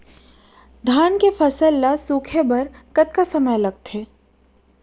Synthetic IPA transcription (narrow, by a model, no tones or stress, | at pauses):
d̪ʱaːnkefɐsəlːasuːkʰebɐɾkɐt̪̚kasɐməjlɐɡ̚t̪eː